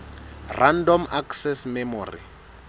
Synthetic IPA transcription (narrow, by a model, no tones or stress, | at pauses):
randɔmaksɛsmɛmɔːrḭ